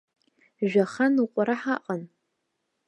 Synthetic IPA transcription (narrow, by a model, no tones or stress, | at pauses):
ʒʷᶣaχanuqʷʼaɾaħaqʼan